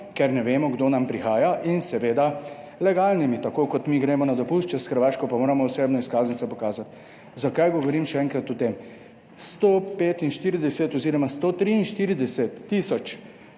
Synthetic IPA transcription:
kɛɾnɛʋeːmɔɡd̪oːnampɾixaːjaʔinsɛʋeːd̪a | lɛɡaːlnimit̪akoːkɔt̪miɡɾeːmɔnad̪ɔpust͡ʃɛsxəɾʋaːʃkɔpamoːɾamɔuseːbnɔiskaːznit̪sɔpɔkaːzat̪ | zakajɡɔʋɔɾiːmʃɛɛŋkɾat̪ɔt̪em | st̪opeːt̪inʃt̪iːɾid̪ɛsɛt̪ɔziːɾɔmast̪ot̪ɾiinʃt̪iːɾid̪ɛsɛt̪ːisɔt͡ʃ

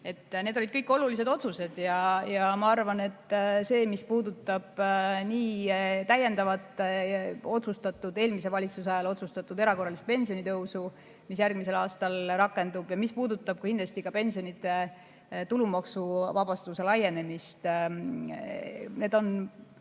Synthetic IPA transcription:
e̞t̪ːne̞d̪olid̪̥̚kɤjkːˑo̞lulise̞d̪o̞t̪suse̞d̪̥jɑjɑmɑɑrvɑne̞t̪ːˑse̞ːmispuːd̪ut̪ːˑɑb̥niːt̪æje̞nd̪ɑvɑt̪ːˑ | o̞t̪sust̪ɑt̪ːˑud̪e̞ːlmise̞vɑlʲit̪susɑjɑlo̞t̪sust̪ɑt̪ːˑud̪e̞ɾɑko̞rːɑlist̪̚pe̞nʲsijo̞nit̪ɤwsu | mis̬jærɡ̥mise̞lɑːst̪ɑlrɑkːˑe̞nd̪ub̥jɑmispuːd̪ut̪ːˑɑb̥̚kukind̪lɑst̪ikɑpe̞nʲsio̞nit̪ːˑe̞ | t̪ulumɑksuvɑbɑst̪use̞lɑje̞ne̞mist̪ | ne̞ːd̪o̞n

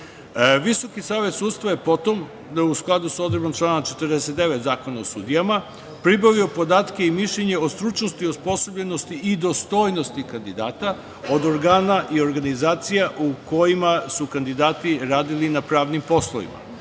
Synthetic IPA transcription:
ʋiso̞kisaːʋe̞t̪suːd̪st̪ʋaje̞po̞t̪o̞m | usklˠad̪uso̞d̪ɾebomt͡ʃlˠaːnt͡ʃe̞t̪ɾd̪ese̞t̪̚d̪e̞ʋe̞t̪zaːko̞naosuːd̪ijama | pɾibaʋio̞po̞d̪aːt̪ke̞imiʃʎeɲe̞ost̪ɾut͡ʃno̞st̪io̞spo̞sobʎe̞no̞st̪iːd̪o̞st̪o̞jno̞st̪ikand̪id̪aːt̪a | o̞d̪o̞ɾɡaːnaʔio̞ɾɡanizaːt̪sijaʔuko̞jimasukand̪id̪aːt̪iɾaːd̪ilinapɾaːʋnimpo̞slˠoʋḭma̰

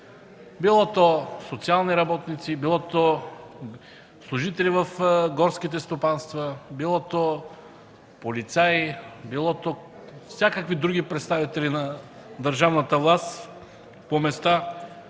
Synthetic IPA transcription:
bilˠɔt̪osot̪sialˠniɾɐbɔt̪nit̪sibilˠɔt̪o | slˠuʒit̪ɛlivɐfɡɔɾskit̪̬ɛst̪opanst̪vəbilˠɔt̪o | polit̪sajbilˠɔt̪o | fsʲjakəkvid̪ɾuɡipɾɛt̪st̪avit̪ɛlinɐ | d̪əɾʒavnət̪əvlˠast̪ | pomɛst̪a

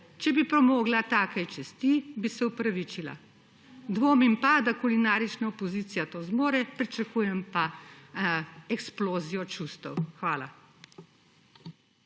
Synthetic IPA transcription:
t͡ʃɛbipɾɔmoːɡlat̪aːkajt͡ʃɛst̪ibisɛupɾaʋit͡ʃila̰ | d̪ʋoːmimpad̪akulinaːɾit͡ʃnaɔpɔziːt̪sijat̪ozmoːɾɛpɾit͡ʃakuːjɛmpa | ɛksploːzijɔt͡ʃuːst̪ɔwxʋaːla

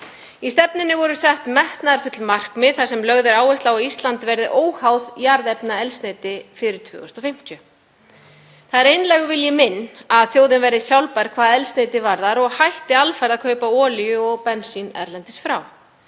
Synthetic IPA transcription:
ist̪ɛpnɪnːɪvɔɾʏsɛht̪mɛht̪naɾfʏt̪lmar̥kmɪðθasɛmlœɣðɪɾaːwɛst̪lawaist̪lant̪ɪvɛɾðɪʔoːwhawðjaɾðɛpnaɛlst̪neːjt̪ɪfɪɾɪɾ̥t̪ʰvœ̰ːɣʏst̪ɔfɪm̥c̪ʰœ | θaðɛɾejnlɛɣʏvɪljɪmɪnːaðθjowðɪnvɛjɾðɪsjawlpajɾkʰv̥aːðɛlst̪nejt̪ɪvaɾðaɾɔɣhajht̪ɪalfaɾðakʰœːɥpaɔːlijʏɔɣpɛnsinɛ̰ɾlɛnt̪ɪ̥sfɾaw

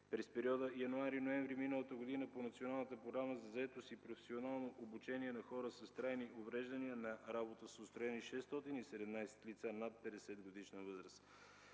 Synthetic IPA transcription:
pɾɛspɛɾiɔd̪əjɐnoaɾinoɛ̃ɱvɾiminəlˠət̪əɡod̪inəponɐt̪sionalˠnət̪əpɾoɡɾaməzɐzɐɛt̪ost̪ipɾofɛ̥sionalˠnoʔobut͡ʃɛniɛnɐxɔɾəsɐst̪ɾajniʔovɾɛʒd̪ɐniənɐɾabot̪əsot̪st̪ɾoɛniʃɛst̪ɔt̪inisɛd̪ɛmnajsɛ̥t̪lit̪sanat̪̚pɛd̪ɛsɛd̪ɡod̪iʃnəvɤzɾəs

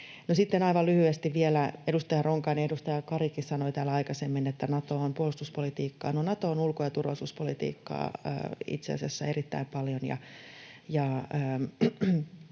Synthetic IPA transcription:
nosit̪ːenɑiʋɑlyhyest̪iʋʋielæedust̪ɑjɑroŋkɑːniedust̪ɑjɑkɑrikissɑnoit̪æːlɑikɑsemːinet̪ːænɑt̪oompuolust̪uspolit̪iːkːɑ̰ːnonɑt̪oːnulkojɑt̪urʋɑlisuspolit̪ḭːkːɑ̰ːḭt̪sḛɑ̰sɑsːæerit̪ːæ̰impɑljonjɑ̰ | jɑəː

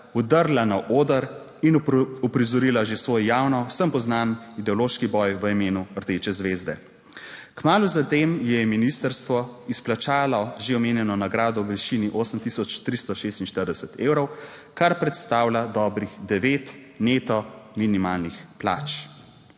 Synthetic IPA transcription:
ɔd̪əɾlanaʔoːd̪əɾ | inɔpɾizɔɾilaʒesʋɔːjjawnɔwsəmpɔznanid̪ɛɔloʃkibɔjʋəimeːnuəɾt̪eːt͡ʃɛzʋeːzd̪ɛ̰ | kmaːluzat̪eːmjɛminist̪əɾst̪ʋɔisplat͡ʃaːlɔʒeɔmeːnjɛnɔnaɡɾaːd̪ɔwʋiʃiniʔoːsəmt̪isɔt͡ʃt̪ɾist̪ɔʃeːst̪inʃt̪əɾd̪ɛsət̪eːwɾɔw | kaɾpɾɛt̪st̪aːwlʲad̪ɔbɾixd̪ɛʋet̪ | net̪ɔminimaːlnixpla̰ːt͡ʃ

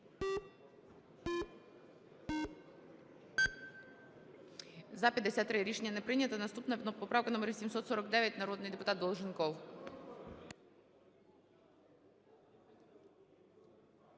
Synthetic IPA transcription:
zɐpʲɐd̪ːesʲat̪ːɾɪɾʲiʃenʲːɐnɛpɾɪnʲɐt̪ɐnɐst̪upnɐnɔpɔpɾawkɐnɔmɛɾsʲimsɔt̪sɔɾɐɡd̪ɛʋʲjɐt̚ʲnɐɾɔd̪nɪjd̪epʊt̪at̪d̪ɔlˠʒɪnkɔw

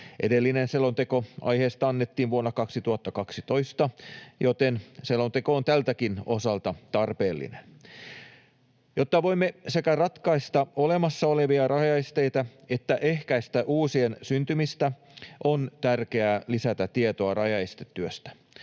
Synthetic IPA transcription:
ʔedelːinenselːont̪ekoɑ̰jheːst̪ɑɑnːet̪ːiːʋʋuonːɑkɑksit̪uhɑt̪ːɑkɑksit̪o̞ist̪ɑjot̪enselːont̪ekoont̪ælt̪ækinosɑlt̪ɑt̪ɑrpeːlːḭnen | jot̪ːɑʋoimːese̞kærɑt̪kɑist̪ɑole̞mɑsːɑoleʋiɑrʔɑjɑest̪e̞jt̪æe̞t̪ːæʔe̞hkæist̪æʔuːsiensynt̪ymist̪æ | ʔont̪ærkeæːlisæt̪æt̪ːiet̪oɑrɑjɑest̪e̥t̪ːyøst̪æ̥

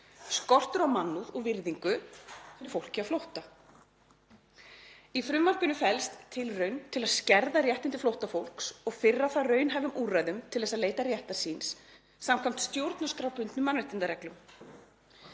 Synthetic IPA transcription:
skɔr̥t̪ʏɾawmanːuðɔɣvɪɾðiŋkʏt̪ʰɪ̥fowl̥cɪaflowht̪a | ifɾʏmːar̥kʏnʏfɛlst̪ʰːɪlrœɥnt̪ʰɪlaðscɛɾðarjɛht̪ɪnt̪ɪflowht̪afowl̥ksɔɣfɪrːaθarœːɥnɦajvʏmʔuːrajðʏmt̪ʰɪlðɛs̬ːaðleːjt̪aɾjɛht̪ḁsinsː | amkʰam̥t̪st̪jowɾt̪naskɾawpʏnt̪nʏmanvɛht̪ɪnt̪aɾɛklʏm

